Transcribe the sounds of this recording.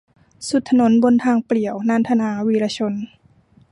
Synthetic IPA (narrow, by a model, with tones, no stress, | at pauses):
su˨˧˩t̪ʰːa˧no˨˦nbo˧nt̪ʰaː˧ŋpli˨˩əwnaː˧˥˨nt̪ʰa˧naː˨˦wiː˧laː˧t͡ɕʰo˧n